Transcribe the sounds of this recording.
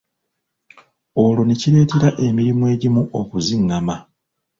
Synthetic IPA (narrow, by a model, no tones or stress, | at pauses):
o̞lo̞neciɾe̞ːteɾaʔe̞miɾimwe̞ːɟimuʔokuziŋːama